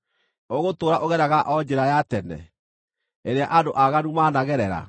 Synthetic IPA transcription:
oɣotoːɾaʔoɣɛɾaɣaʔɔd͡ʑeɾajatɛnɛ̰ | eɾeaʔandoʔaɣanumaːnaɣɛɾɛɾa̰

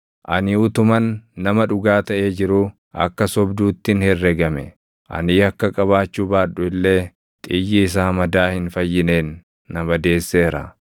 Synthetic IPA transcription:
ʔɐnɪʊt̪ʊmɐnːɐmɐᶑʊɡaːt̪ɐʔe̞ːd͡ʒɪɾʊ | ɐ̰kːɐsɔbd̪uːt̪ːɪnhɪrːɛɡɐmɛ̰ | ʔɐ̰niːɐkːɐkʼɐβaːt͡ʃːuːbaːᶑʊɪlːe̞ː | t̪ʼɪjːɪːs̬aːmɐd̪aːhɪnfɐjːɪneːnː | ɐmɐd̪e̞ːsːeːɾɐ̰

